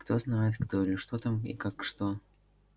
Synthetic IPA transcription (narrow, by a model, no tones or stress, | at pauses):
kt̪oznaɪt̪kt̪oɪlʲɪʂt̪ot̪amḭkakʂt̪o